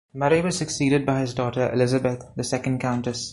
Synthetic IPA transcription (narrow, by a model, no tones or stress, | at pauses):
məɾiʋɔz̥səksiːɾɪɖ̚baɪhɪzdɔːʈəɾʔɪ̰lɪzəbət̪ʰd̪əsɛkə̃nɖkãʊ̃nʈəs